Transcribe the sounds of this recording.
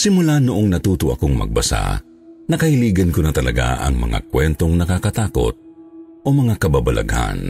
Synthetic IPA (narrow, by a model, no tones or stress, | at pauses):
sɪmʊlanʊʔoŋnɐt̪uːt̪oɐ̰koŋmɐ̰ɡ̚bɐsa̰ | nɐkɐhɪliːɡɐnkonɐt̪ɐlɐɡa̰ʔɐ̰ŋmɐ̰ŋa̰kwɛnt̪o̞ŋnɐkakɐt̪aːko̞̰t̪̚ʔomɐŋakɐbabɐlʔɐ̰ɡha̰n